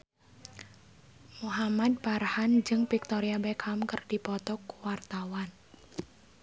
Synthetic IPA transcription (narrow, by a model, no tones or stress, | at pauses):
muɦamad̪̚parhand͡ʒɨŋpik̚t̪ɔɾiabɛkhamkərdipɔt̪ɔkuwart̪awan